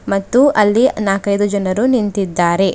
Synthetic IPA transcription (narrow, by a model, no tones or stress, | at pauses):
mɐt̪ːuʔɐlːinaːkɐjd̪ud͡ʒɐnɐɾunint̪id̪ːaːɾe̞